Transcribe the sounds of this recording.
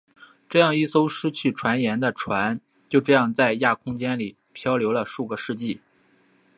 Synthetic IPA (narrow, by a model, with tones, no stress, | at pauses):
ʈ͡ʂɤ˥˧jɑ˥˧ŋi˥˩so˥ʊʂɻ̩˥t͡ɕʰy˥˩ʈ͡ʂʰwa˧˥njɛ˧˥nd̪ə˧ʈ͡ʂʰwa˧˥n | t͡ɕjo˥˧ʊʈ͡ʂɤ˥˧jɑ˥˧ŋt͡sa˥˧ɪja˥˩kʰʊ˥ŋt͡ɕjɛ˥nli˨˩ | pʰjɑ˥ʊljo˧˥ʊlə˧ʂu˥˩ɡə˩ʂɻ̩˥˧t͡ɕi˥˩